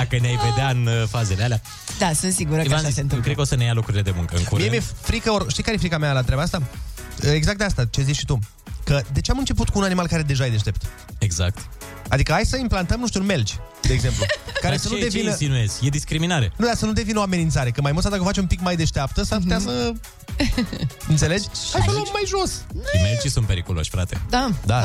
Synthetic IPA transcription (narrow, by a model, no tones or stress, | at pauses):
d̪akəneajved̪eaɨnfaze̞lealea | d̪asunt̪siɡuɾəamzaisent̪jekɾed̪kəosənejalokɾuɾile̞d̪e̞muŋkəɨ̰ŋkumiemefɾikəoɾʃt̪ijkaɾejefɾikamealat̪ɾʲabaast̪a | eɡzak̚t̪d̪east̪at͡ʃe̞ziʃit̪u | kəd̪e̞t͡ʃeamɨnt͡ʃe̞put̪kuːnanimalkaɾe̞d̪e̞ʒajd̪e̞ʃ̬t̪e̞p̚t̪ | e̞ɡza̰k̚t̪ | ad̪ikəajsəimplant̪əmnuʃt̪unme̞lt͡ʃʲ | d̪eːɡze̞mplukaɾesənud̪evinəsinezjed̪iskɾiminaɾenujasənud̪e̞vinoame̞nint̪saɾe̞kəmajmutsad̪akəfat͡ʃumpikmajd̪e̞ʃt̪eap̚t̪əsaaput̪asə | ɨnt̪se̞led͡ʒʲajsəlomːajʒo̞smelt͡ʃisunt̪peɾikuloʃʲfɾa̰t̪ḛd̪ad̪a